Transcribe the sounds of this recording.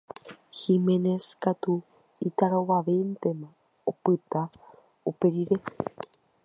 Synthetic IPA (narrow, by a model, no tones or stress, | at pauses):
himeneskat̪u | it̪aɾoʋaʋent̪emã | opɨt̪a | opeɾiɾe